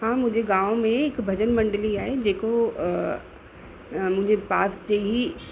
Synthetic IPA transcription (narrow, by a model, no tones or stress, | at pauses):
ɦãːmʊ̃ɦɪ̃ɲd͡ʑeɡãːõmẽɪkbʱɐd͡ʑənmɐ̃ɳɖliaːɦed͡ʑeːko | mʊ̃ɪ̃ɲd͡ʑepaːsd͡ʑeːɦi